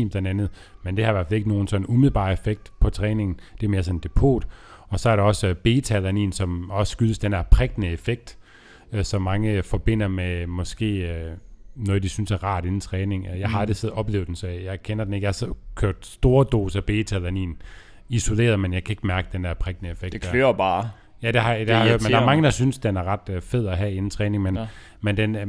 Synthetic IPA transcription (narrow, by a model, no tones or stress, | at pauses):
imd̥enænð̩ˠmend̥ehɑ̈ieʋæɐ̰fele̝ɡ̥no̝ːn̩sɒ̽n̩umið̩ˠb̥ɑ̰̈ːefeɡ̥̚d̥pʰɒ̽t͡sʰʁɛːne̝ŋn̩d̥eæme̝ːɐsɒ̽n̩d̥e̝pʰo̝̰ːd̥ɒ̽sɒ̽æɐɾɑ̈ɒ̽sb̥e̝ːt͡sʰælænḭːnsɒ̽mɒ̽ssɡ̥yðˠəsd̥enhæɐpʰʁɛɡ̥nəefeɡ̥̚d̥ | øsɒ̽mːɑ̈ŋəfɒ̽b̥e̝n̰ɐmemɒ̽sɡ̥e̝̰ːønɔːð̩ˠd̥isynsæɐʁɑ̰̈ːd̥e̝nn̩t͡sʰʁɛːne̝ŋjɑ̈ɪɦɑed̥əseð̩ˠɒ̽b̥le̝ːʊ̥en̩sɒ̽jɑ̈ɪkʰenɐd̥en̩eɡæsɒkʰøɐ̰d̥sd̥o̝ːɐd̥o̝̰ːsæb̥e̝ːt͡sʰælænḭːn | iso̝le̝̰ːɐðˠmenjɑ̈ɪkʰæe̝ɡ̥mæɐɡ̥əd̥endæɐpʰʁɛɡ̥nəefeɡ̥ed̥løɐb̥ɑː | jæd̥e̝hɑ̈d̥emnd̥ɑæɐmɑ̈ŋəd̥ɑ̈synsd̥enæɐʁɑ̈d̥fe̝ð̰ˠɒɦæe̝nn̩t͡sʰʁɛːne̝ŋmen | mend̥en